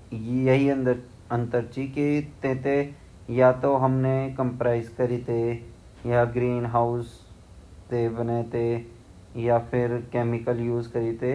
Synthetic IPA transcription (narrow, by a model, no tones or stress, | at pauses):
jjɐɦiɐ̃n | ə̃nt̪əɾt͡ʃikit̪ẽːt̪e | jat̪oɦɐmnekəmpɾaːɪzkɐɾiːt̪e | jaɡɾiːnɦaːʊs | t̪ebɐneːt̪e | japʰɪɾkeːmɪkəljuːzkɐɾiːt̪e